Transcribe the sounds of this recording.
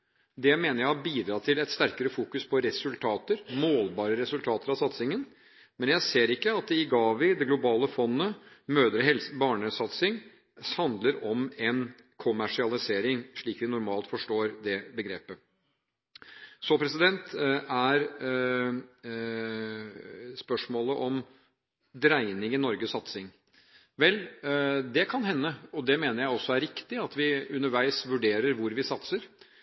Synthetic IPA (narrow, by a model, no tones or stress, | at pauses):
d̪ɛmeːnəɾjæɪhɑɾbiːd̪ɾɑːt̪ʰɪlɛt̪st̪æɾkəɾəfuːkʉspʰɔɾɛsʉlt̪ʰɑːt̪əɾmoːlbɑːɾəɾɛsʉlt̪ʰɑːt̪əɾɑsɑt̪sɪŋən | mɛnjæɪseːɾɪkːəɑt̪̚d̪ɛɪɡɑːʋɪd̪ɛɡlʊbɑːləfɔnːəmøːd̪ɾəɛlsbɑːɳəsɑt̪sɪŋ | hɑnd̪ləɾɔmɛn | kʰʊmæʂɪɑlɪseːɾɪŋʂɭiːkʋɪnʊɾmɑːlt̪fɔʂʈoːɾd̪ɛbəɡɾḛːpə | sɔpʰɾɛsɪd̪ɛnt̪æɾ | spœʂmoːləʔɔm | d̪ɾæɪnɪŋɪnɔɾɡəsːɑt̪sɪŋ | ʋɛld̪ɛkʰɑnɦɛnːəɔd̪ɛmeːnəɾjæɪɔsːɔæɾɪkt̪ɪɑt̪ʋɪʉnəɾʋæɪsʋʉɖeːɾəɾʋʊɾʋɪsɑt̪səɾ